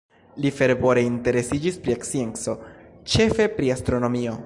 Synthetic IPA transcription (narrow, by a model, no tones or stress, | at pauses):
life̞ɾvo̞ɾe̞inte̞ɾe̞sid͡ʒispɾiekt͡sie̞nt͡so̞t͡ʃe̞fe̞pɾiastɾo̞no̞mio̞